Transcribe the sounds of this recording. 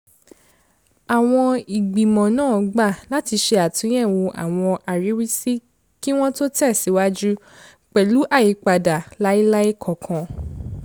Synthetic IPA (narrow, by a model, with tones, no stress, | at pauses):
a˨w̃ɔ̃˧i˨ɡ͡bi˨mɔ̃˨nãː˦˨˧ɡ͡ba˦˨la˨˦ti˧ʃe˧a˨tũ˨˦j̃ɛ̃˦˨wo˧ʔa̰˨w̃ɔ̃˧ʔa˨ɾi˨˦wi˦si˦ | ki˦w̃ɔ̃˦to˦tɛ˦˨si˨˦wa˦d͡ʒu˦ | k͡pɛ˨lu˨˦ʔa˦˨ji˨˦k͡pa˧da˨la˨˦i˦la˦i˦kʰɔ˨kʰã˧